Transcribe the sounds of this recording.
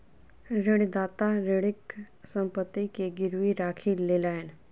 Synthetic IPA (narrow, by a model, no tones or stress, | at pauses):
ɾɪɽid̪aːt̪aɾɪɽɪk | sə̃mpət̪ːikeɡɪɾwiɾaːkʰileːlaːɛn